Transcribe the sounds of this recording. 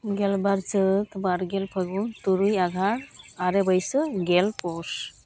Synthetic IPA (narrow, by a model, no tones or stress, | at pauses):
ɡelbaɾt͡sət̪baɾɡelpʰəɡunt̪uɾujaɡʱaɽaɾebəjsəɡelpos